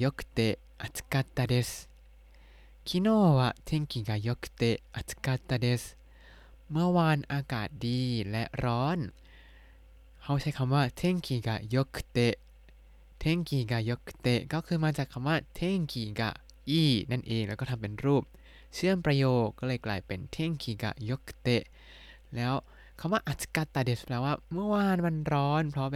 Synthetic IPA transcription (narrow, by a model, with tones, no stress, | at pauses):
jo˦˥kʰt̪e˧ | ʔa˧t̪ʰka˧t̪aː˧de˧˥s | kʰi˧˥noː˧˥˩wa˧t̪ʰe˧˥˩ŋkiː˨˩ka˧˩jo˦˥kʰt̪e˧ʔa˧˩t̪ʰka˧˥t̪aː˧de˦˧˥s | mɯ˧˥˩ɐwaː˧nʔaː˧kaː˨˩t̪̚diː˧lɛ˦˥ʔɾɔː˦˥n | hʰa˧˥˩wt͡ɕʰa˦˥jkʰa˧mwaː˥˩t̪ʰe˧˥˩ŋkʰiː˨˩ka˧˩jo˦˥kʰt̪e˧˥ʔ | t̪ʰe˧˥˩ŋkʰiː˨˩kaː˨˩jo˦˥kʰt̪e˧˩ʔkɔː˥˩kʰɯː˧maː˧t͡ɕaː˨˩kʰːa˧˦waː˥˩t̪ʰe˥˩ŋkʰiː˨˩ka̰˧˩ | ʔiː˧˥˩na˥˩nʔeː˨˧ŋlɛː˦˥wkɔː˥˩t̪ʰa˧mpe˧nɾuː˥˩p̚ | t͡ɕʰɯ˥˩ənpɾa˧joː˨˩k̚kɔː˥˩lɤː˧jklaː˧˩jpe˧nt̪ʰe˥˩ŋkʰiː˨˩ka̰˨˩jo˦˥kʰt̪e˧˥ʔ | lɛː˦˥w | kʰa˧˥˩waː˥˩ʔaː˨˩t̪ska˧˩t̪ːaː˨˩de˨˩splaː˧˩waː˥˩mɯ˥˩ɐwaː˧nwa˧nɾɔː˦˥npʰɾɔ˦˥˧